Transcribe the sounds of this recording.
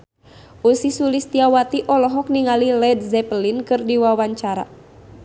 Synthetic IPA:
ʔusisulist̪iawat̪iʔɔlɔɦɔk̚niŋalilɛd̚zɛpəlinkɨrdiwawaɲt͡ʃaɾa̰

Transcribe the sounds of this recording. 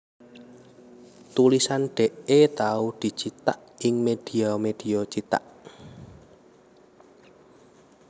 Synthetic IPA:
t̪ulisanɖ̥ɛ̤ʔet̪aud̪̥i̤t͡ʃit̪a̰ʔɪŋmed̥iɔmed̪̥iɔt͡ʃit̪a̰ʔ

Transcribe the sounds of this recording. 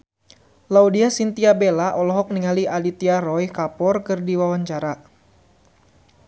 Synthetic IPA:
laudiasint̪iabelaʔɔlɔɦɔk̚niŋaliʔalit̪iarɔjkapɔrkɨrdiwawaɲt͡ʃaɾa

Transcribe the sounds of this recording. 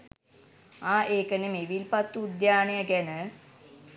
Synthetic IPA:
aːʔeːkənemeʋilpat̪ːuːd̪jaːnejəɡænə

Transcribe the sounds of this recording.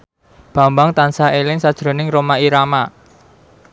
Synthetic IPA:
b̥ä̤mbaŋt̪ansaʔelɪŋsad̥ʒ̥ɾo̤nɪŋromaiɾama

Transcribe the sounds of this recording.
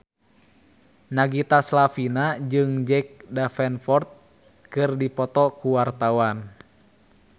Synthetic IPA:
naɡit̪aslafinad͡ʒɨŋd͡ʒɛk̚dafɛnfɔrt̪̚ | kɨrdipɔt̪ɔkuwart̪awan

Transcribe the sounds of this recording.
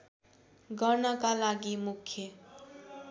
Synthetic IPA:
ɡʌrnʌkalaɡimukʰjʌ

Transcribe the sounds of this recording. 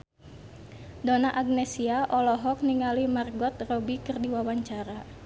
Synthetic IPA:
donaʔaɡ̚nɛsiaʔɔlɔɦɔk̚niŋalimarɡɔt̪̚rɔbikərdiwawaɲt͡ʃaɾa

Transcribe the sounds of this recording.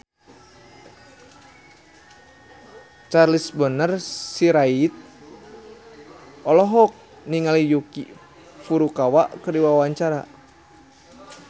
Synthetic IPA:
t͡ʃarlisbənərsiɾait̪̚ | ɔlɔɦɔk̚ | niŋalijuki | fuɾukawaʔkərdiwawaɲt͡ʃaɾa̰

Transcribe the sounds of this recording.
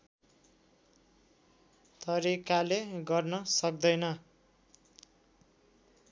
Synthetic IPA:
t̪ʌɾikaleɡʌrnʌsʌk̚d̪ʌjnʌ

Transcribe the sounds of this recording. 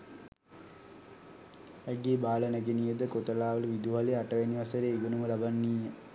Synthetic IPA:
ɛɡeːbaːlənæɡenijəd̪əkot̪əlaːʋələʋid̪uɦaliaʈəʋeniʋasəɾeːiɡənuməlabanːiːjə

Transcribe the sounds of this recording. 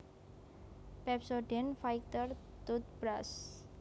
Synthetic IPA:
pɛpsoɖɛnfajkt̪ər | t̪ut̪̚bɾas

